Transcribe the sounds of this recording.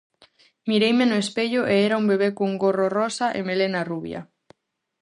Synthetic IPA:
miɾejmenoespeʎoʔeeɾaumbeβ̞ekuŋɡororosaʔemelenaruβja̰

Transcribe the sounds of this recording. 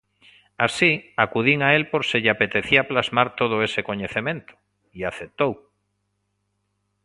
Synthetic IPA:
asiakuð̞iŋaelpoɾseʎapet̪eθiaplazmaɾt̪oð̞oeseko̞ɲeθemẽnt̪o̥ | iaθep̚t̪ow

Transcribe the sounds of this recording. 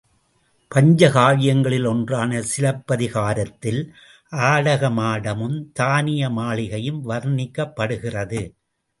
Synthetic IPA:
pɐɲd͡ʒɐɣaːɻɪjɐŋɡɐɭɪlɔndraːnɐsɪlɐpːɐðɪɣaːɾɐt̪ːɪl | ʔaːɽɐɣɐmaːɽɐmɯmt̪aːnɪjɐmaːɭɪɣɐjɯmʋɐɾnɪkːɐpːɐɽɯɣɪrɐðɯ

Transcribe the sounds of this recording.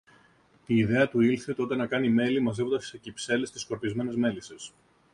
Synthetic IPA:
t̪iːðe̞ɐt̪uilθet̪o̞t̪enɐkɐnime̞limɐze̞vo̞nd̪ɐssecipse̞le̞st̪isko̞ɾpizme̞ne̞zme̞lises

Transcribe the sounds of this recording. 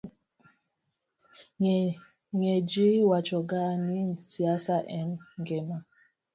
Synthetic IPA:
ŋɛd͡ʒiwat͡ʃɔɡanisiasaʔɛnŋɡɛma

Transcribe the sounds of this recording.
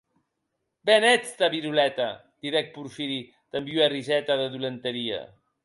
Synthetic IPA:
bɛnɛt͡st̪aβiɾulɛt̪a̰ | d̪̥iɾɛk̚puɾfiɾi | t̪əmbjuarizɛt̪aðəðulənt̪əɾia̰

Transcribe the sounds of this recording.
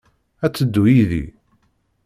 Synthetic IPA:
æt͡sːəd̪ːujiðḭ

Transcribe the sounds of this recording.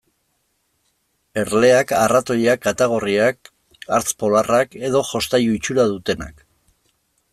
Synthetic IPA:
e̞ɾle̞akarat̪o̞ʎakat̪aɣ̞o̞riak̚ | aɾt͡spo̞larake̞ðo̞ʝo̞st̪ajuit͡ʃuɾaðut̪e̞na̰k

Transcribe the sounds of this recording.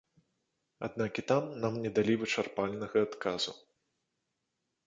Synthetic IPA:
a̰d̪̚nakit̪amnamnʲɛd̪alʲivɨt͡ʂarpalʲnɐɣɐːt̪kʰazu

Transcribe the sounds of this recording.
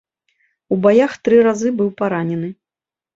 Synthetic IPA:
ubajaxt̪ɾɨɾazɨbɨwpaɾanʲɛnɨ

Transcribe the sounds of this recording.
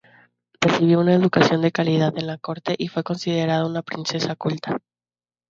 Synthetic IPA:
re̞siβ̞jo̞unaeðukasjo̞nd̪e̞kaliðaðe̞nlako̞ɾt̪e̞ʔifwe̞ko̞nsið̞e̞ɾaðounapɾinse̞sakult̪ḁ

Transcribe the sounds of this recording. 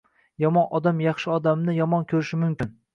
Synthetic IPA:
jɒmɒnɒd̪amjɑχʃɪɒd̪amnɪjɒmɒnkʲʰɵɾɪʃɪmʊmkʲɪn

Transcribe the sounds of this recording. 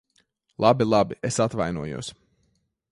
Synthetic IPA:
lˠabilˠabiʔesat̪vajnuɔjṵɔs

